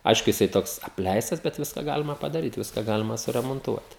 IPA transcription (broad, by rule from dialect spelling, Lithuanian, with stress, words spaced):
ˈɐɪʃkʊ jɪˈsɐɪ ˈtoːks ɐpʲˈlʲɛɪstɐs bʲɛt ˈʋʲɪskɐ ˈɡɑːlʲɪmɐ pɐdɐˈrʲiːt ˈʋʲɪskɐ ˈɡɑːlʲɪmɐ sʊrʲɛmoːnˈtuɔt